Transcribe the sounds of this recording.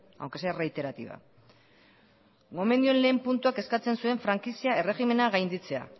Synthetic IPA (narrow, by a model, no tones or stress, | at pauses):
a̰wkesereit̪e̞ɾat̪ḭβa̰ | ɡo̞mend̪io̞nle̞ːmpunt̪uake̞skat͡se̞nsue̞ɱfɾaŋkisiae̞re̞ɣime̞naɣajnd̪it͡se̞a̰